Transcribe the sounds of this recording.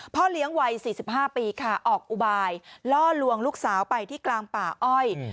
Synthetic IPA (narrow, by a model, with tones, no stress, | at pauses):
pʰɔ˦˥˩li˦˥əŋwa˧jsiː˨˩si˨˩p̚ɦaː˥˩piː˧kʰa˥˩ʔɔː˨˩k̚ʔu˨˩baː˧jlɔː˥˩lu˧əŋluː˥˩k̚saː˩˦wpa˧jt̪ʰiː˥˩klaː˧ŋpaː˨˩ʔɔ˥˩j